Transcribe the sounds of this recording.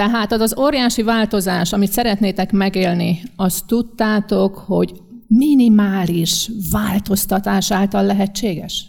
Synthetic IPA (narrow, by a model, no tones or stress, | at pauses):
t̪ɛɦaːt̪ɒzɒzoːɾjaːʃivaːlt̪o̞zaːʃɒmit̪sɛɾɛt̪neːt̪ɛkmɛɡeːlniɒst̪ːut̪ːaːt̪o̞kho̞ɟ | minimaːliʃvaːlt̪o̞st̪ɒt̪aːʃaːlt̪ɒlːɛɦɛt͡ʃːeːɡɛ̰ʃ